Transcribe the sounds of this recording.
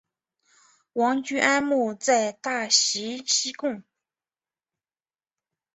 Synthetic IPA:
wɑ˧˥ŋt͡ɕy˥ʔa˥nmu˥˧t͡sa˥˧ɪt̪a˥˩ɕi˧˥ɕi˥kʊ˥˩ŋ

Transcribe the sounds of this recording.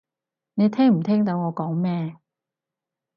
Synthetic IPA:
ne˨˧jt̪ʰɛː˥ŋm̩˨˩t̪ʰɛː˥ŋt̪ɐ˨˧˥wŋɔː˨˧kɔː˨˥ŋmɛː˥

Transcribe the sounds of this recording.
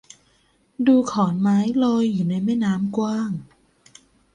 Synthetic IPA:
duː˧kʰɔː˩˦nmaː˦˥jlɔː˧jːuː˨˩na˧jmɛː˥˩naː˦˥mkwaː˥˩ŋ

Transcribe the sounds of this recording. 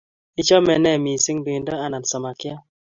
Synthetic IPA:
i˦t͡ʃɔ˦mɛ˨nɛ˦˨mi˨si˦ŋbi˨ndɔ˦a˦na˨n˨sɔ˨ma˨kja˦

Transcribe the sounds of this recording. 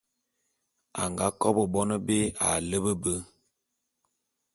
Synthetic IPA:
a̰˨ŋɡa˦kɔ˦bə˨bɔ˦nə˦be˦a̰˨lə˦bə˦bə˦

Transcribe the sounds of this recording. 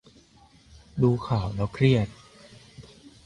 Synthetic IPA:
duː˧kʰaː˨˩˦wlɛː˦˥wkʰɾi˥˩ət̪̚

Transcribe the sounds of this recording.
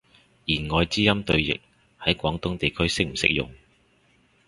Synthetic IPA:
jiː˨˩nŋɔː˨˧jt͡siː˥jɐ˥mt̪ɵ˧ɥjɪ̰˨k̚ | hɐ˨˥jkʷɔː˨˥ŋt̪ʊ˥ŋt̪e˨jkʰɵ˥ɥsɪ˥k̚m̩˨˩sɪ̰˥k̚jʊ̰˨ŋ

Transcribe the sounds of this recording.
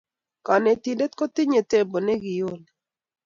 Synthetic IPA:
ka˨nɛ˨t̪i˨de˦t̪̚ko˦t̪ɪ˦ɲe˨te˦bo˨nɛ˦ɡɪ˨jo˦˨n

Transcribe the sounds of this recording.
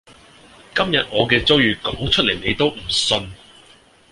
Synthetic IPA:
kɐ˥mjɐ˨t̚ŋɔː˨˧kɛː˧t͡so˥wjyː˨˧kɔː˨˥ŋt͡ʃʰɵ˥le˨˩jne˨˧jt̪o˥wm̩˨˩sɵ˧n

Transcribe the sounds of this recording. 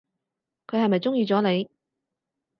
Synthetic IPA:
kʰɵ˨˧ɥhɐ˨jmɐ˨jt͡sʊ˥ŋjiː˧t͡sɔː˨˥ne˨˧j

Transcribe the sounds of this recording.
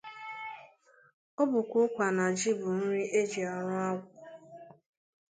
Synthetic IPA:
o˦bʊ˨kʷʊ˦kʷa˨na˨d͡ʒi˦bʊ˨n̩˦ɾi˦e˦d͡ʒi˨a˨ɾʊ˦a˦ɡʷʊ˨

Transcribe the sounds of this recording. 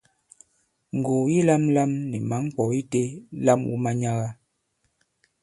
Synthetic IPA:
ŋ̩˨ɡo˨ji˦la˦mla˦mnɛ˨ma˨˦ŋ˦k͡pɔ˨i˦te˦la˦mṵ˦ma˦ɲa˦ɣa˦

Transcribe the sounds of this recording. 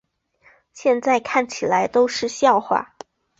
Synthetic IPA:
ɕjɛ˥˧nt͡sa˥˧ɪkʰa˥˩nt͡ɕʰi˨˩la˧˥ɪt̪o˥ʊʂɻ̩˥˧ɕjɑ˥˧ʊxwa̰˥˩

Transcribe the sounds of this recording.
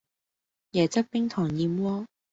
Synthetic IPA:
jɛː˨˩t͡sɐ˥k̚pɪ˥ŋt̪ʰɔː˨˩ŋjiː˧mwɔː˥

